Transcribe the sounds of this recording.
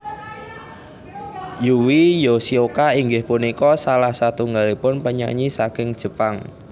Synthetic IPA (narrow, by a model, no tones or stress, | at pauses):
juwijosiokaiŋɡɪhpunikɔsalahsat̪uŋɡalipʊnpəɲa̰ɲisakɪŋd̥ʒ̥ə̤paŋ